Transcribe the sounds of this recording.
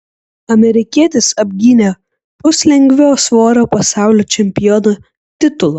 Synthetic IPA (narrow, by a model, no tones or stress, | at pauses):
ɐmʲɛɾʲɪkʲiɛt̪ʲɪsɐbʲɡʲiːnʲe | pʊsʲlʲɛŋʲɡʲʋʲɛːsʋoːɾoːpɐsɑˑʊlʲoːt͡ʃʲɛmʲpʲɪjɔno | t̪ʲɪt̪ʊlˠo